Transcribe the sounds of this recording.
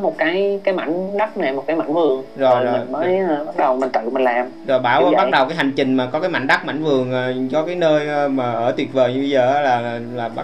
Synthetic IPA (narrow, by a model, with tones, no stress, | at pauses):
mo˨˩t̚kaː˨˦jkaː˨˦jma̰˧˨jŋɗa˦˥t̚na˨˩mo˨˩t̚kaː˨˦ma̰˧˨jŋvɨ˨˩əŋzo˨˩ji˨˩˨nməː˨˦jɓa˦˥ɗə˨˩wmi̟˨˩t̪ɨ̰˧˨mï˨˩ŋ̟laː˨˩mzo˨˩jɓaː˧˩wɔ˨˦ɓa˦˥k̚ɗə˨˩wkaː˨˦jɦa˨˩ŋ̟t͡ɕï˨˩ŋ̟maː˨˩kɔ˨˦kaː˨˦ma̰˧˨ŋ̟ɗa˦˥k̚ma̰˧˩jŋ̟vɨ˨˩əŋʔːt͡ɕɔ˧kaː˨˦jnəː˧jmaː˨˩ʔəː˧˩t̪wi˨˩əvəː˨˩jɲɨ˧ɓi˧zəː˨˩ʔaː˨˦laː˨˩˨laː˨˩ɓ